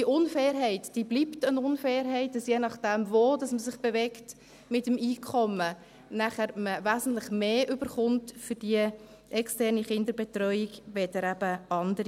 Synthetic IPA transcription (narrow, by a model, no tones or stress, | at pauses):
iʔʊnfɛːɾɦɛɪtd̥iːbliptənʊnfɛːɾɦɛɪt̚d̥ɑsjenɑχd̥ɛmvoːd̥ɑsməsɪχb̥evɛkt | mɪtəmiːkʰɔmə | næχəɾməvæsn̩tlɪχmeːʔʏbəɾχʊntfʏɾd̥iə | ʔɛkstɛrniχɪndəɾbɛtɾœʏiɡʋɛdəɾæbəɑndəɾi